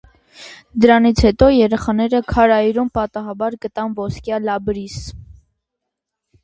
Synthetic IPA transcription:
d̪əɾɑnit͡sʰhɛt̪ɔjɛɾɛχɑnɛɾəkʰɑɾɑjɾumpɑt̪ɑɦɑbɑɾɡət̪ɑnvɔskjɑlɑbɾis

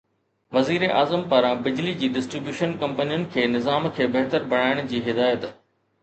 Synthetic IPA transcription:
ʋɐziːɾeʔaːzəmpɐɾãbɪd͡ʑlid͡ʑiːɖɪsʈɾɪbjuːʃənkɐ̃mpənijʊnɪ̆kʰeːnɪzaːmkʰeːbɐɦt̪əɾbɐɽ̃aːɪɽ̃ʊd͡ʑiːɦɪd̪aːjət̪

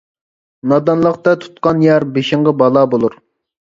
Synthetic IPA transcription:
nɑd̪ɑnlˠəqt̪ɑt̪ʰu̥t̪̚qɑnjɑɾbeʃɪŋʁɑbɑlˠɑbolˠuɾ

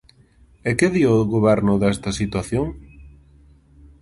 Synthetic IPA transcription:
ekeðioɣoβɛɾnʊðɛst̪ɐsit̪waθjoŋ

